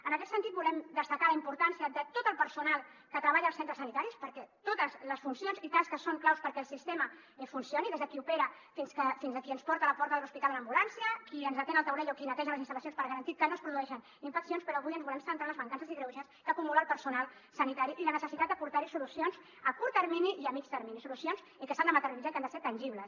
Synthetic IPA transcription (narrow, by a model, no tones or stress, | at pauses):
ənəkɛt̪sənt̪it̪̚bulɛmd̪əst̪əkaləimpuɾt̪ansiəd̪ət̪ot̪əlˠpəɾsunalˠkət̪ɾəβaʎəːlˠsent̪ɾəsənit̪aɾispəɾkɛt̪ot̪əzləsfunsjonzit̪askəsoŋklawspəɾkɛːlˠsist̪emə | ɛfunsioniðezðəkiupeɾə | finskəfinzðəkiənspɔɾt̪ələpɔɾt̪əðəluspit̪alənəmbulansiəkiənzðət̪enəlˠt̪əwɾɛʎokinət̪ɛʒələzint̪əlɐsjonspəɾɣəɾɐnt̪ikənospɾuðuɛʃən | iɱfəksijonspəɾɔəβujənzβulɛmsənt̪ɾaləzβəŋkansəziɣɾewzaskəkumulalˠpəɾsunalˠ | sənit̪aɾiʔilənəsəsit̪at̪̚d̪əpuɾt̪aɾisulusionz | əkuɾt̪əɾminiʔiəmit͡ʃt̪əɾminisulusionz | ikəsand̪əmət̪əɾizakand̪əseɾt̪ɐnʲʒiβləs